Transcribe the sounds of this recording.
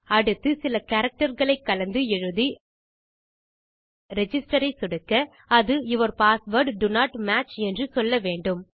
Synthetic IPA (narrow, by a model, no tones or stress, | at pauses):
ɐɽɯt̪ːɯsɪlɐkɐɾɐk̚ʈɐɾɣɐɭɐɪkːɐlɐnd̪ɯɛɻɯði | ɾɛd͡ʒɪsʈɐɾɐɪsʊɽɯkːɐ | ɐðɯɪʋɐɾpaːsʋɐɾɖɖʊnaːʈmaːt͡ʃɛndrɯsɔlːɐʋeːɳɖɯm